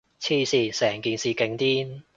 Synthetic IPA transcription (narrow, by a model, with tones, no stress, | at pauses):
t͡sʰiː˥˩siː˧˩sɛː˨˩ŋkiː˨nsiː˨˧ke˨˧ŋt̪iː˥n